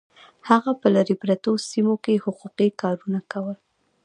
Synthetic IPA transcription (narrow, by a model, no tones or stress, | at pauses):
haɣapəlaɾipɾat̪osimokehʊquqikɑɾunakawəl